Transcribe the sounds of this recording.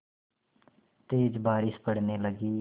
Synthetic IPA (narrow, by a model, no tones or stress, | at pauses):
t̪eːd͡ʒbaːɾispəɽneːləɡiː